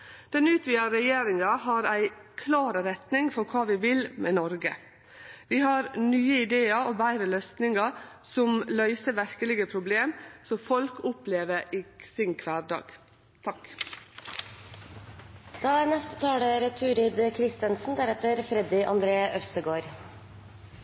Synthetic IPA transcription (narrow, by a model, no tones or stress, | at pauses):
d̪̥ɛnʉːt̪ʰʋiːɑɾɛjeːɾɪŋɑɦɑɾæɪkʰlɑːɾəɾɛt̪nɪŋfɔɾkʰɑːʋɪːʋɪlmɛnɔɾɡə̰ | ʋiːhɑɾnyːəɪd̪eːɑoːbæɪɾəlœsnɪŋɑsɔmlœʏsəʋæɾkəlɪɡəpʰɾʊbleːmsɔfɔlkʊpleːʋəɾiːsɪnkʰʋæːɾɖɑ̰ːɡ̥ | t̪ʰɑk | d̪̥ɑːæɾnɛst̪ə̥t̪ʰɑːɽəɾt̪ʰʉːɾɪd̪kʰɾɪst̪ənsn̩d̪æɾɛt̪əɾfɾɛd̪ɪʔɑnd̪ɾeːəʔœst̪əɡoːɾ